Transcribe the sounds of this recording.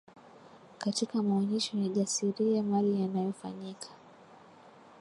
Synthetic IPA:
katikamaɔɲɛʃɔjaʄasiɾiamalijanajɔfa̰ɲikʰḁ

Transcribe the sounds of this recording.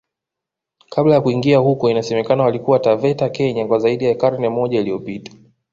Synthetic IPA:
kʰablajakuiŋɡiahukɔinasɛmɛkanawalikuwatavɛtakɛɲakwazaiɗijakaɾnɛmɔʄailijɔpitḁ

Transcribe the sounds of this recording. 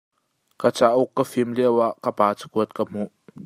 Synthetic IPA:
kət͡saʔʊkːəfimliəwaʔkəpaːt͡sə̥kuət̪̚kəm̥uʔ

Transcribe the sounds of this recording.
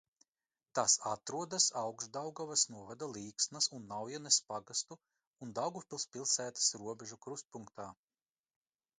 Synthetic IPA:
t̪asat̪ɾuɔd̪asawɡsd̪awɡavasnuɔvad̪alˠiːksnɐsunːawjanespaɡast̪uː | nd̪awɡupʲilˠspʲilˠsæːt̪ḁsɾuɔbʲeʒukɾust̪̚puŋk̚t̪aː

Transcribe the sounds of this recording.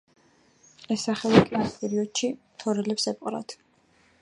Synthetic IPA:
ɛsaχɛlikʼanspʼɛɾiɔd̪ʃi | t̪ʰɔɾɛlɛpsɛpʼqʼɾa̰t̪ʰ

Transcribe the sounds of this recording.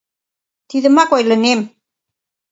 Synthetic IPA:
t̪iðəmakojlənem

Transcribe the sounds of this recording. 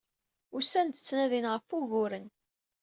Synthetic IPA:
ʊsænt̪ə̥t͡sːnæðinʁəfuɣʊɾən

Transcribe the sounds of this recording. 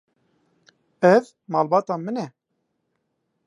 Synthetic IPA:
ɛv | mɑːlbɑːt̪ɑːmɨnɛ

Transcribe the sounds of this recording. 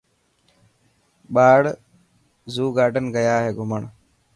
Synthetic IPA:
ɓaːɽ | zuːɡaːɾɖənɡəjaːɦeːɡʱʊməɳ

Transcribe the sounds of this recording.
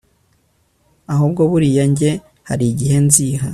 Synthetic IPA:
aɦuːb̚ɡo̞βuɾijaɲɟe̞ | haɾiɟihe̞nziːha

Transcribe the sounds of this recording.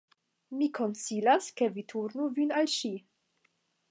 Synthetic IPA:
mikʰo̞nsilaskevitʰuɾnuvinalʃi

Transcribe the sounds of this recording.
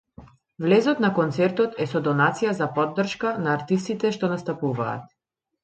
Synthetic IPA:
vlɛzɔt̪nakɔnt̪sɛɾt̪ɔt̪ɛsɔd̪ɔnat̪sijazapɔd̪ːr̩ʃkanaːɾt̪ist̪it̪ɛʃt̪ɔnast̪apuva̰ːt̪̚

